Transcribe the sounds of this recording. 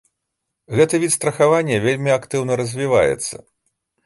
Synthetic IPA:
ɣɛt̪ɐvʲit̪st̪ɾɐxavanʲːɛvʲelʲmʲiakt̪ɨwnɐɾɐzʲvʲiva̰jɛ̰t̪sːɐ̰

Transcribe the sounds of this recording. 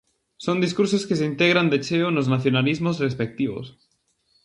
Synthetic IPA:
sond̪iskuɾsoskes̬eint̪eɣ̞ɾand̪et͡ʃeonoznaθjonalizmozrespek̚t̪iβo̰s

